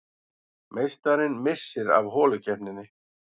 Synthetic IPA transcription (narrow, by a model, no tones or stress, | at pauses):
mejst̪aɾɪnmɪsːɪɾa̰vɦɔːlʏcɛhnɪnːɪ